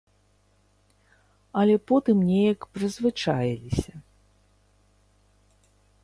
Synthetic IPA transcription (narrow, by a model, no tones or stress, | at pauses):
ɐlʲɛpɔt̪ɨmnʲejɐkpɾɨzvɨt͡ʂajilʲisʲɐ